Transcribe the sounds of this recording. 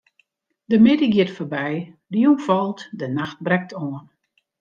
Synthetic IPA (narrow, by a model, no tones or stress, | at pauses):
dəmɪdəɡɪətforbɛjdiunfɔlˠtdənaxt̚brɛk̚tʰoən